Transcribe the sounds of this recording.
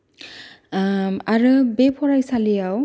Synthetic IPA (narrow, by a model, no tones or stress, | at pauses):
aɹɯbepʰɔɹajsalijaw